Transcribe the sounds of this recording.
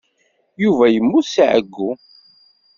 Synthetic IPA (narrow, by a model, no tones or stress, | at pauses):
juvæjəmːusʕə̰ɡːu